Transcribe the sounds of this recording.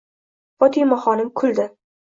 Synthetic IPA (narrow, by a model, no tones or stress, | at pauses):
fɒt̪ʰijmɒχɒnɪmkʰʊld̪ɪ